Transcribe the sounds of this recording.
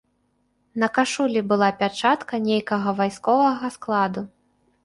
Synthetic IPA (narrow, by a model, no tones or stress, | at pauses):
nɐkaʂulʲibɨlˠapʲat͡ʂat̪kɐnʲejkɐɣɐvajskɔvɐɣɐsklˠad̪u